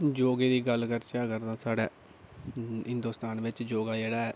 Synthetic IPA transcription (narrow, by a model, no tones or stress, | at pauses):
d͡ʒoːɡeːd̪iːɡəlkəɾt͡ʃaːkəɾd̪ãːsaːɽɛ̰ː | ɦɪ̃nd̪oːst̪aːnʋɪt͡ʃd͡ʒoːɡaːd͡ʒeːɽaːɛː